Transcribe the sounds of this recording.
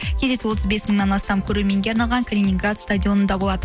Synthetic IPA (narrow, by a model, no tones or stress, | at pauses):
kʲʰe̞zd̪e̞sɪwo̞t̪əzbe̞sməɴŋnɑnɑst̪ɑmkʲʰɵɾe̞ɾme̞ŋɡʲe̞ɑɾnɑlˠʁɑŋkʰalʲinʲiŋɡrat̪st̪ad̪ʲijo̞nənd̪ɑbo̞lˠɑd̪ə